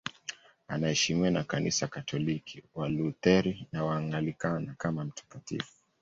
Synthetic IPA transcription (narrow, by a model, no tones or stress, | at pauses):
anahɛʃimiwanakanḭsakatʰɔlikʰiwalut̪ɛɾinawaːŋɡalikanakamam̩tḁkatḭfu̥